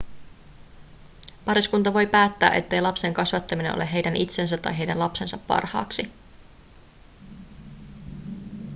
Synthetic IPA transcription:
pɑɾiskunt̪ɑʋo̞jpæːt̪ːæ̰ːʔet̪ːe̞jlɑpse̞ŋkɑsʋɑt̪ːɑmineno̰le̞ɦejdænʔit̪se̞ns̬æt̪ːɑ̰jɦe̞jdænlɑpse̞nsɑpːɑ̰rhɑ̰ːksi

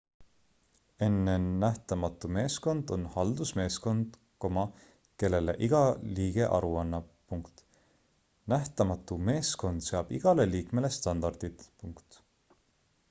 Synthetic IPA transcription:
e̞nːenæht̪ɑmɑt̪ːˑume̞ːsko̞nd̪̥o̞nhɑld̪̥usme̞ːsko̞nd̪̥ | ko̞mɑ | ke̞lːe̞lḛʔiɡ̥ɑliːɡ̥e̞ʔɑ̰ɾuɑnːɑpuŋkt̪ | næht̪ɑmɑt̪ːˑume̞ːsko̞nd̪̥se̞ɑb̥iɡ̥ɑle̞liːkme̞le̞st̪ɑnd̪̥ɑrd̪̥id̪̥puŋkt̪

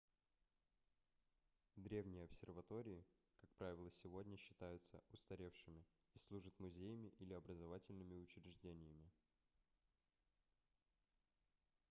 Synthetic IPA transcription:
d̪ɾʲe̞vnʲɪjəɐpsʲɪrvɐt̪o̞ɾʲɪɪ | kak̚pɾavʲɪlˠəsʲɪvo̞dʲnʲəɕːɪ̥t̪ajʊt̪sə̰ʊst̪ɐɾʲe̞fʂɨmʲɪ | islˠuʐət̪mʊzʲejəmʲɪʔilʲɪɐbɾəzɐvatʲɪlʲnɨmʲɪʊt͡ɕɾʲɪʐdʲenʲɪjəmʲɪ

